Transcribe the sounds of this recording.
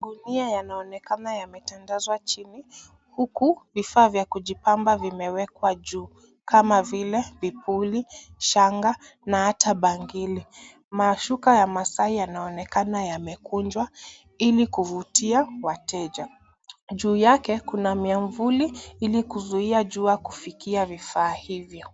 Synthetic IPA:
ɗuniajanaɔnɛkanajamɛtandazwat͡ʃini | hukuvifaːvjakuʄipambavimɛwɛkwaʄuː | kamavilɛvipuliʃaŋɡa | nahatʰaɓaŋɡili | maʃukajamasaijanaɔnɛkanajamɛkund͡ʒwa | ilikuvutiawatɛʄa | ʄuːjakɛkunamiaɱvuliilikuzuiaʄuːjakufikiavifaːhivjɔ

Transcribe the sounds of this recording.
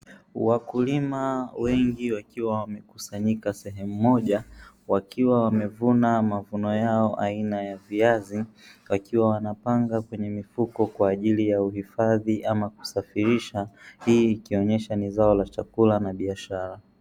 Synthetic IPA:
wakulimawɛŋɡiwakiwawamɛku̥saɲikasɛɦɛmumɔʄa | wakiwawamɛvunamavunɔjaɔʔainajaviaziwakiwawanapaŋɡakwɛɲɛmifukɔkwaːʄilijauhifaðiʔamaku̥safiɾiʃahiːkiɔɲɛʃanizaɔlat͡ʃakulanaɓiaʃaɾa

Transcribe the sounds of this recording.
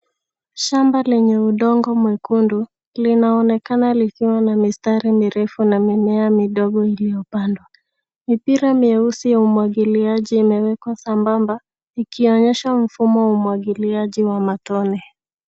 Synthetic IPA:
ʃambalɛɲɛuɗɔŋɡɔmwɛkundu | linaɔnɛkanalikiwanamistaɾimiɾɛfunamimɛamiɗɔɠɔilijɔpandwa | mipiɾamiɛusijaumwaɠiliaʄiːmɛwɛkwasambamba | ikiɔɲɛʃam̩fumɔwaumuwaɠiliaʄiwamatɔnɛ

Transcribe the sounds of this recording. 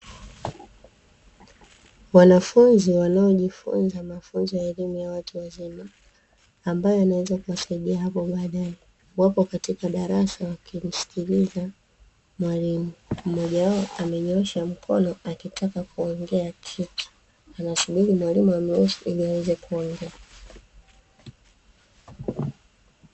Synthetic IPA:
wanafunziwanaɔʄifṵnzamafunzɔjaɛlimujawatuwazimaː | mbajɔanawɛzakuwasaiɗiaɦapɔɓaːɗaɛ | wapɔkatikaɗaɾasawakim̩si̥kʰiliza | mwalimum̩mɔʄawaɔamɛɲɔʃam̩kʰɔ̰nɔakitʰakakuɔŋɡɛakʰitu̥ | anasuɓiɾimwalimuamɛɛsuḭliawɛzɛkuɔŋɡɛa

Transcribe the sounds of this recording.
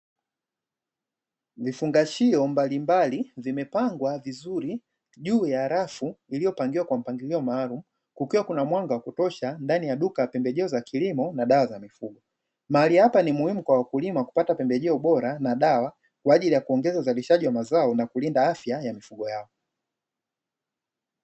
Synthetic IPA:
vifuŋɡaʃiɔmbalimbalivimɛpaŋɡwavizuɾi | ʄuːjaːɾafuilijɔpaŋɡiwakwam̩paŋɡiliɔmaːlumu | kukiwakunamwaŋɡawakutɔʃandanijaɗukaapɛmbɛʄɛɔzakʰilimɔnaɗawazamifuɡɔ | maalihapanimuhimukwawakulimaku̥patapɛmbɛʄɛɔɓɔɾanaɗawa | kwaːʄilijakuɔŋɡɛzauzaliʃaʄiwamazaɔnakulindaafjajamifuɡɔjaɔ

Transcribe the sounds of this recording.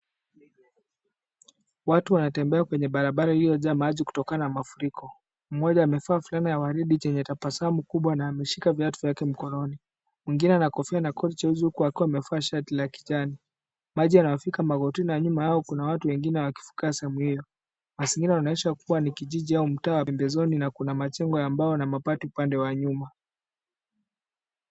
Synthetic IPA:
watuwanatɛmbɛakwɛɲɛɓaɾaɓaɾahijɔʄamaʄiku̥tɔkananamafuɾikʰɔ | m̩mɔʄaːmɛfaːfulanijawaɾiɗit͡ʃɛɲɛtapasamukuɓwanaːmɛʃikavjatuvjakɛm̩kɔnɔni | mwiŋɡinɛanakɔfianakʰɔɗit͡ʃauzihukuakiwamɛfaːʃatilaki̥t͡ʃani | maʄianawafikamaɣɔtinaaɲumahaɔkunawatuwɛŋɡinɛwaki̥fu̥kiasɛɛmuhijɔ | masiŋɡinɛwanaɛʃakuwanikiʄiʄiaum̩taːwaɛmbɛzɔninakunamat͡ʃɛŋɡɔjambaɔnamapatiupandɛwaɲuma

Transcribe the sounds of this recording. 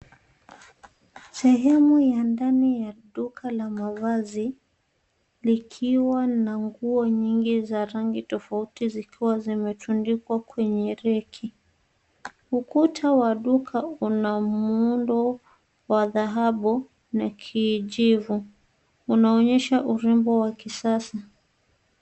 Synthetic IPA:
sɛɦɛmujandanijaɗukʰalamavazi | likʰiwanaŋɡuɔɲiŋɡizaɾaŋɡitɔfautizikʰiwazimɛtundikwakwɛɲɛɾɛkʰi | ukutʰawaɗukʰaunamuundɔ | waðaɦaɓu | nakʰiːʄivu | unaɔɲɛʃaʔuɾimbɔwakisasa

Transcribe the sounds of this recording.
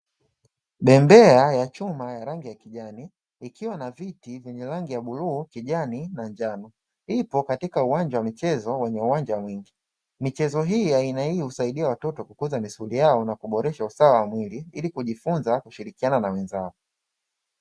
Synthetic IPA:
ɓɛmbɛajat͡ʃumajaɾaŋɡijakiʄani | ikiwanavitivjɛɲɛɾaŋɡijaɓuluːkiʄaninand͡ʒanɔ | ipɔkatikauwaɲd͡ʒawamit͡ʃɛzɔwɛɲɛuwand͡ʒamwiŋɡi | mit͡ʃɛzɔɦiːainaihusaiɗiawatɔtɔkukuzamisulijaɔnakuɓɔɾɛʃausawawamwiliilikuʄifunzakuʃiɾikiananawɛnzaɔ

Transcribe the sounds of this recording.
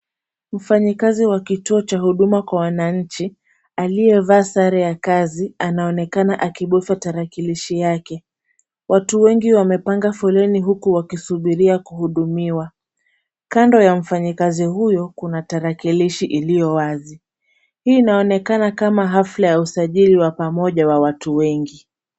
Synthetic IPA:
m̩faɲikaziwakituɔt͡ʃaɦuɗumakwawanaɲ̩t͡ʃi | aliɛvaːsaɾɛjakazianaɔnɛkanaʔakiɓɔfataɾakiliʃijakɛ | wʔatuwɛŋɡiwamɛpaŋɡafɔlɛniɦukuwakisuɓiɾiakuhuɗumiwa | kandɔjam̩faɲikazihujɔkunataɾakiliʃiʔilijɔwazi | hiːnaɔnɛkanakamaɦaflajausaʄiliwapamɔʄawawatuwɛŋɡi

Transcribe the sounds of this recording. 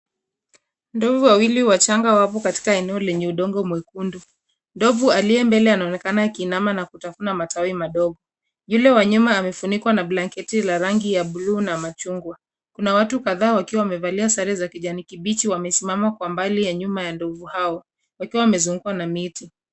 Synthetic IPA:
ndɔvuwawiliuwat͡ʃaŋɡawapɔkati̥kaɛnɛɔlɛɲɛuɗɔŋɡɔmwɛkundu | ndɔvualiɛmbɛlɛanaɔnɛkanakiːnamanakutafunamatawimaɗɔɡɔ | julɛwaɲumaːmɛfunikwanablaŋkɛtilaɾaŋɡijaɓuluːnamat͡ʃuŋɡwa | kunawatukaðaːwakiwawamɛvaliasaɾɛzakiʄanikiɓit͡ʃiwamɛsimamakwambalijaɲumajandɔvuhaɔ | wakiwawamɛzuŋɡuwanamiti

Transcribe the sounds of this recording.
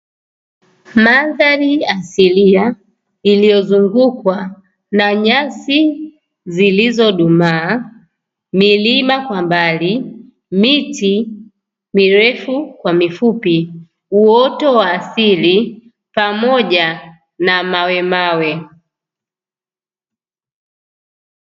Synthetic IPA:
maðaɾiasilia | ilijɔzuŋɡukwa | naɲasi | zilizɔɗumaː | milimakwambali | miti | miɾɛfukwamifupi | uɔtɔwaːsili | pamɔʄa | namawɛmawɛ

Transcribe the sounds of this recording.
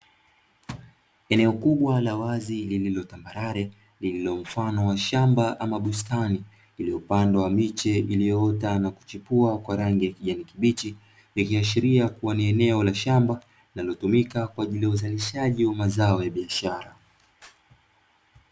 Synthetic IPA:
ɛnɛɔkuɓwalawazilililɔtambaɾaɾɛ | lililɔm̩fanɔwaʃambaʔamaɓustani | iliupandawamit͡ʃɛilijɔtanaku̥t͡ʃipuakwaɾaŋɡijakiʄanikiɓit͡ʃi | likiaʃ̬iɾiakuwaniɛnɛɔlaʃamba | linalɔtumikakwaːʄilijauzaliʃaʄiwamazaɔjaɓiaʃaɾa

